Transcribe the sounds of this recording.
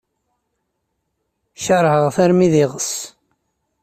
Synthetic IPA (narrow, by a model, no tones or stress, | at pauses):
ʃəɾˤhəʁθæɾmiðɪʁəs